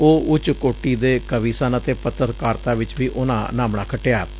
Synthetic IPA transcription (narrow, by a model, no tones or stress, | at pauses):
oːʊt͡ʃkoːʈiːd̪eːkəʋiːsaːnət̪eːpət̪əɾkaːɾt̪aːʋɪt͡ʃʋiːʔʊnã̰ːnaːmɳãːkʰəʈːeaː